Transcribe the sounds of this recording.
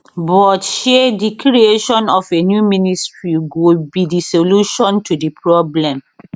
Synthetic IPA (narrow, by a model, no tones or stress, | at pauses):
bɔtʃedikʰɹieʃɔ̃nɔfenjuministɹiɡobidisoluʃɔ̃ntudipɹɔblɛ̃m